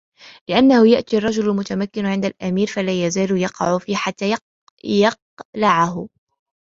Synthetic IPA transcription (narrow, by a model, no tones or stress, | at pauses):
lɪʔanːahʊjaʔt̪iːɑrˤːɑd͡ʒʊllmʊt̪amakːɪnʕɪnd̪alʔamiːɾfalaːjazaːlʊjɑqɑ̰ʕʊfiːħat̪ːaːj | jɑq̚ | laʕaɦʊ